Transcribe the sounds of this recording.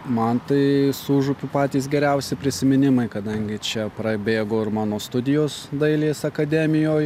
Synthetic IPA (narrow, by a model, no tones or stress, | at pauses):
mɐnt̪ɐɪsuːʒʊpʲʊpɑːt̪ʲiːs̬ɡʲɛɾʲɛʊsʲɪpʲɾʲɪsʲɪmʲɪnʲɪmɐɪkɐd̪ɐŋʲɡʲɪt͡ʃʲɛpɾɐbʲeːɡoːɪɾmɑːnoːst̪ʊd̪ʲɪjoːsd̪ɐɪlʲeːsɐkɐd̪ʲɛmʲɪjoːj